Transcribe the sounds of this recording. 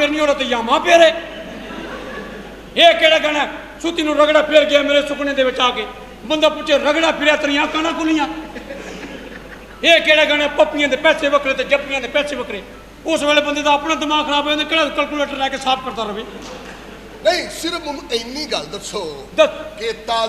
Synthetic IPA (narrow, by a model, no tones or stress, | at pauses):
eːɾnĩːɦoːleːt̪ẽːjaːmãːpeːɾeː | eːkeːɽɛːɡənɛ̃ː | sʊt̪iːnũːɾəɡɽaːpʰeːɾɡɪaːmeːɾeːsʊknẽːd̪eːʋɪt͡ʃːaːkeː | bənd̪aːpʊt͡ʃːeːɾəɡɽãːpʰɪɾɛːt̪əɾɪjãːkənãːkʊlijãː | eːkeːɽɛːɡəñeaːpəpːɪjãːd̪eːpɛːseːbəkʰɾeːt̪eːd͡ʒəpːɪjãːd̪eːpɛːseːʋəkʰɾeː | ʊsʋɛːleːbənd̪eːd̪aːəpnãːd̪ɪmaːɡkʰəɾaːboõːd̪ekeːɽaːkəlkuːleːʈəɾlɛːkeːsaːp̚pəɾt̪aːɾəbiː | nəĩsɪɾmənũːəɪnːiːɡəld̪əsʰoː | d̪keːt̪aː